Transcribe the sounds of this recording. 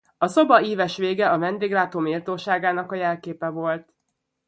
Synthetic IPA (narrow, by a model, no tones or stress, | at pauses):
ɒso̞bɒiːvɛʃʋeːɡɛɒvɛnd̪eːɡraːt̪oːmiːrt̪oːʃaːɡaːnɒkɒjɛlkeːpɛvo̞lt̪